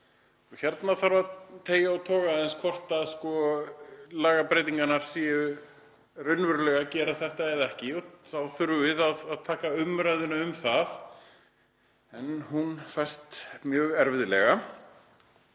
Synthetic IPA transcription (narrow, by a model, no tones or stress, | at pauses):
ɔçɛɾt̪naθaɾvat̪ʰeːjaawt̪ʰɔːɣaðɛnskʰɔr̥t̪aðskɔ | laːɣapɾeːjt̪iŋkanaɾ̥siːɪ | rʏnvʏɾlɛɣacɛːɾaθɛht̪aɛðɛhcɪɔθawθʏɾvɪðaðaðt̪ʰaːkaʏmɾajðʏnaʏmθað | ɛnhunfajst̪mjœːɣɛɾvɪðɪlɛ̰ɣa